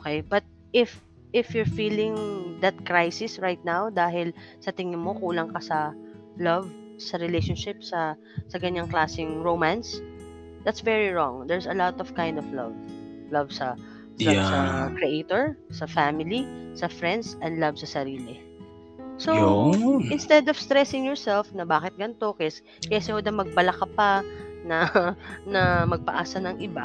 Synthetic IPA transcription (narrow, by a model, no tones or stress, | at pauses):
ʔoːkejbɐt̪̚ | ʔɪf | ʔɪfjʊɹfiːlɪ̃ŋd̪ɐt̪̚kɹajsɪsɹajt̪̚nawd̪aːɦɪlsɐt̪ɪŋɪnmokuːlɐŋkɐsɐ | lɐv | sɐɾɪlejʃɔnʃɪp̚sɐ | sɐɡɐɲaŋklaːsɪŋɹomãns | d̪ɐt̪svɛɹiɹɔŋd̪ɛɹsɐlɔt̪ɔv̥kãjnd̪ɔvlɐ̰v | lɐvsɐ | lɐbsɐkɹɛʔet̪oɹsɐfamɪlisɐfɹɛ̃nd̪sɐ̃nd̪lɐvsɐsɐɾiːlɪ | soʔɪnst̪ɛd̪ɔv̥st̪ɾɛsɪŋjɔɹsɛlfnɐbaːkɪt̪̚ɡɐnt̪o̞kɛs | kɛsɛhod̪ɐmɐɡ̚bɐlɐkɐpɐnɐnɐmɐɡ̚pɐʔaːsɐnɐŋʔɪba